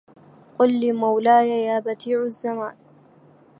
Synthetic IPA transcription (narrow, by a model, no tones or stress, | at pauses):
qʊlːiːmawlaːjajaːbat̪iːʕʊzːamaːn